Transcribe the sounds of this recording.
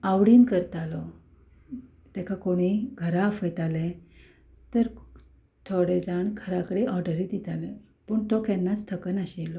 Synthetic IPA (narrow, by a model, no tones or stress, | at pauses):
awɽiːnkəɾt̪alɔ | t̪ɛkʰakoɽ̃iɡʱəɾafəjt̪ale | t̪əɾ | t̪ʰoɽed͡zaɳkʰəɾakəɽeʔɔɾɖəɾit̪it̪ale | pəɳt̪ɔkɛnːat͡st̪ʰəkənaɕelɔ